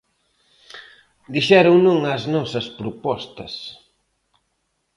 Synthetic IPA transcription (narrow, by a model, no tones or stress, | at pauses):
d̪iʃɛɾʊŋnuŋɐznɔsɐspɾʊpɔst̪ɐs